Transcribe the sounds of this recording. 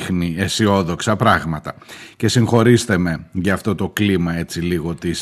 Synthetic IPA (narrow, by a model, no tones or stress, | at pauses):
xniesio̞ðo̞ksɐpɾɐɣmɐt̪ɐce̞siŋxo̞ɾisθeme̞ʝɐːft̪o̞t̪o̞klimɐe̞t͡siliɣo̞t̪is